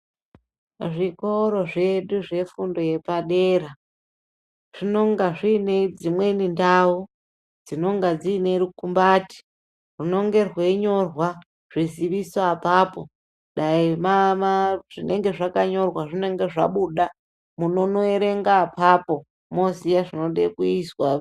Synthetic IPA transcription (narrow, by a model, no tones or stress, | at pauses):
ʐiko̞ɾo̞ʐe̞ɗuʐe̞fundo̞je̞paɗe̞ːɾa | ʐ̥ino̞ŋɡaʐine̞d͡zimwe̞nindau | d͡zino̞ŋɡad͡ziːne̞ɾukumbaːti̥ | rino̞ŋɡe̞rwe̞ɲo̞rwa | ʐ̥iziʋisapaːpo̞̰ | ɗaimamaʐ̥ine̞ŋɡe̞ʐakaɲo̞rwaʐine̞ŋɡe̞ʐa̰ɓuɗa | muno̞no̞eɾe̞ŋɡapapo̞ | mosijaʐino̞ɗḛkuiswa